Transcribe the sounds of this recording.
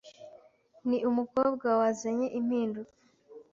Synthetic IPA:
niʔumuko̞ːbɡawazaɲeʔim̥hiːnduk

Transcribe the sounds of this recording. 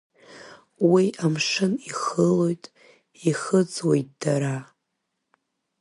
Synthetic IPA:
wiamʂɨniχəlo̞jtʼ | iχəd͡zʼwe̞jt̚ʼd̥aɾa

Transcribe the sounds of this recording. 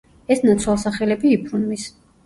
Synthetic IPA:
ɛsnat̪sʰwalˠsaχɛlɛbiːpʰɾunmis

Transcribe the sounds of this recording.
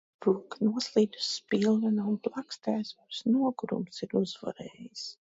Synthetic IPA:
puknuɔslˠiːd̪u̥sːpilˠvɛnaunplˠakst̪æːsvaɾsnuɔɡuɾṵmsiɾuzva̰ɾɛːjis

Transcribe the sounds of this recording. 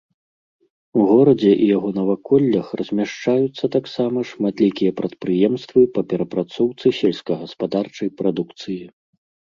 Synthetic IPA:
uɣɔɾɐd͡zʲɛʔijaɣɔnɐvakɔlʲːɐxrɐzʲmʲaʂt͡ʂajut̪sːɐt̪aksamɐʂmat̪lʲikʲijɐpɾɐt̪̚pɾɨjɛmst̪vɨpɐpʲɛɾɐpɾat̪sɔwt̪sɨsʲɛlʲsʲkɐɣɐspad̪art͡ʂɐjpɾad̪ukt̪sɨji

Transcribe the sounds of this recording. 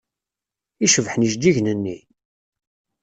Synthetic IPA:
iʃəvħniʃd̪iʝnənːi

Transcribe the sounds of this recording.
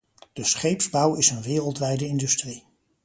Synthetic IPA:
d̥əsχejpzbɑwɪsənʋɪːrəlˠtʋɛjdəɪndɵstri

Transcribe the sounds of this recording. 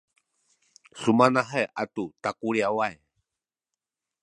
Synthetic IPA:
sumanaɦaeʔat̪ut̪akuɾiawae

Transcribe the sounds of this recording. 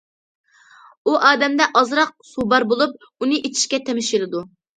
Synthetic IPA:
uʔɑːd̪ɛmd̪ɛʔɑzɾɑq̚subɑɾbolˠup̚ | unɨʔet͡ʃʰi̥ʃkʲɛt̪ʰemɪʃilˠɨd̪u

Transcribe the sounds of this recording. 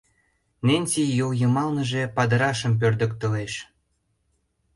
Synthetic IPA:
nenʲt͡sijowjɤmɑlnə̆ʒe̽pɑd̪əɾɑʃəmp̬ørd̪ə̆kt̪əleʃ

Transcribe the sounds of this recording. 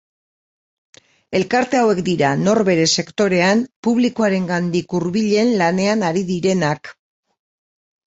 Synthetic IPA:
e̞lkaɾt̪e̞awe̞kd̪iɾano̞ɾβe̞ɾe̞se̞kt̪o̞ɾe̞ampuβ̞likoaɾe̞ŋɡand̪ikuɾβiʎe̞nlane̞anaɾiðiɾe̞nak

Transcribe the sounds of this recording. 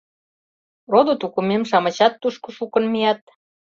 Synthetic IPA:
rod̪ot̪ukumemʃɑmə̆t͡ɕɑt̪ːuʃkoʃukə̆nmijɑt̪̚

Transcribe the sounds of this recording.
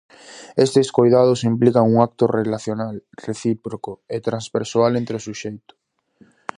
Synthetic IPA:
est̪eskojðað̞ʊsimplikaŋuŋak̚t̪ʊrelaθjonalreθipɾokoet̪ɾanzβeɾsoalent̪ɾeʊsuʃejt̪ʊ̥

